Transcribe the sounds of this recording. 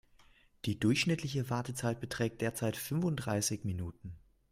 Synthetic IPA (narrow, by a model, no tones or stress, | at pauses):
d̥iːdʊɐçʃnɪtʰlɪç̬əvaɐtət͡saɪt̚b̥ətʁ̥ɛːk̚d̥eːɐt͡saɪtfʏnvʊntdʁaɪsɪçminuːtn̩